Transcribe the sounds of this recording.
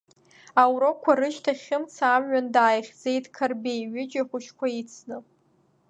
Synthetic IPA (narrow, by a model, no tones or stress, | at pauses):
awɾo̞kʷʰaɾɨʃtʰaχʲɪmt͡sʰaːmɥandaːjχʲd͡ze̞jtʼkʰarbejɥɪd͡ʒaχʷʊʃkʷʰait͡sʰnɨ